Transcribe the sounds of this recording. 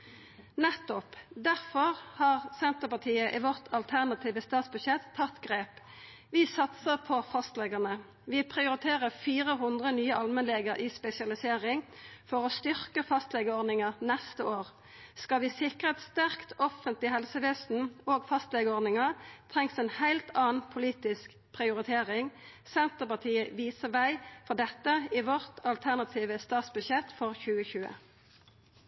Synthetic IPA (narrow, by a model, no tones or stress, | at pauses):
nɛt̪ːɔpd̪æʁfɔʁhɑːʁsɛnt̪əpɑt̪ʰiːəʔɪʋɔʁt̪ʰɑlt̪ʰæʁnɑt̪ʰiːʋəst̪ɑːt̪sbʉʃɛt̪ʰːɑt̪ːɡʁeːp | ʋɪsɑt̪səʁpʰɔfɑst̪lɛɡənə | ʋɪpʰʁɪʊɾɪt̪ʰeːʁəfiːʁəɦʊnd̪ʁənyːəʔɑlmɛnleːɡəʁʔispɛsɪɑlɪseːʁɪŋfɔʁoːst̪ʏʁkəfɑst̪lɛɡəɔd̪nɪŋəʁnɛst̪əoːʁ | skɑʋisɪkʁəɛt̪st̪æʁkt̪ɔfənt̪lɪhɛlsəʋeːsn̩oːɡfɑst̪lɛːɡəɔʁd̪nɪŋəʁt̪ʰʁɛŋsɛːnhæɪlt̪ɑːnpʰʊliːt̪ɪsk | pʰʁɪʊʁɪt̪ʰeːʁɪŋ | sɛnt̪əpɑt̪ʰiːəʋiːsəʋæɪfɔʁd̪ɛt̪ːəiʋɔʁt̪ʰɑlt̪ʰæʁnɑt̪ʰiːʋəst̪ɑːt̪sbʉʃjɛt̪fɔʁçʉːəçʉːə̰